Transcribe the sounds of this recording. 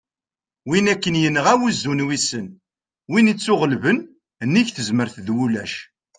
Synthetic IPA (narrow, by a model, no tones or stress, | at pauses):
winækːənjənːəʁæwuzːunwisən | winit͡sːʊʁəlvən | nːiçθəzməɾθðwulæʃ